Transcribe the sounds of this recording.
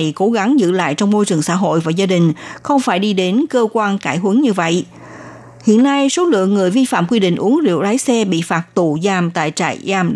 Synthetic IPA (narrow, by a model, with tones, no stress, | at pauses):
jko˨˦ɣa˨˦ŋzɨ̰˧la̰ː˧˨jt͡ɕɔ˧wŋ͡mmo˧jt͡ɕɨ˨˩əŋsa̰ː˧˥ɦo̰˧˨jvaː˨˩zaː˧ɗï˨˩ŋ̟xə˧wŋ͡mfaː˧˩jɗi˧ɗe˨˦nkəː˧kwaː˧nkaː˧˩jɦə˨˦ŋɲɨ˧və̰˧˨jʔ | hḭ˧˨ənːa˧jso˨˦lɨ̰˧˨əŋːɨ˨˩əjvi˧fa̰ː˧˨mkwi˧ɗḭ̈˧˨ŋ̟ʔu˨˦əŋḭ˧˨əwlaː˨˦jsɛ˧ɓḭ˧˨faː˨˩t̚t̪u˧˩zaː˧mt̪a̰ː˧˨jt͡ɕa̰ː˧˨jzaː˧m